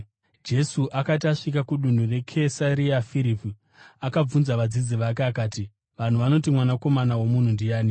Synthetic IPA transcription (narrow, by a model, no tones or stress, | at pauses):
d͡ʒe̞suʔakat̬aʂik̬akuɗun̤ure̞kʰesaɾiafiɾipi | akab͡vunzaʋad͡zid͡ziʋak̬eakaːti | ʋan̤uʋano̞t̬imwanako̞manawo̞mun̤undijaːni